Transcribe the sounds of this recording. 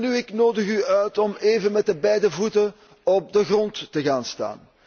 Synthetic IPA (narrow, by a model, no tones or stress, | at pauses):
nyɪknoːdəɣyœɥtɔmeːvənmɛt̚dəbɛjdəvutə | ɔp̚dəɣrɔntːəɣaːnsta̰ːn